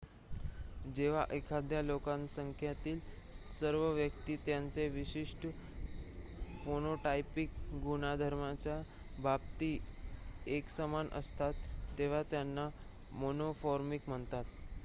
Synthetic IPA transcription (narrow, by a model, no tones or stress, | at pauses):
d͡ʑeʋ̤aʔekʰad̪ʱjalokãnsəŋkʰjat̪iːl | səɾʋəʋjəkt̪iːt̪jant͡seʋiɕiʂʈə | fonoʈajpikɡunad̪ʱəɾmat͡ɕja | bʱab̚t̪iː | eksəmanʔə̰st̪at̪ːeʋ̤at̪janːa | monofɔɾmikm̤əɳt̪at̪